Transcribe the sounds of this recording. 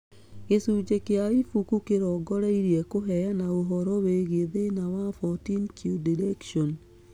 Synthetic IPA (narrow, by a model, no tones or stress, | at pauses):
ɣesuːd͡ʒekeaifukukeɾɔɡɔɾɛiɾiɛkoɦɛjanaoɦɔɾɔweɣeðenawafɔtinkjudiɾɛkʃɔn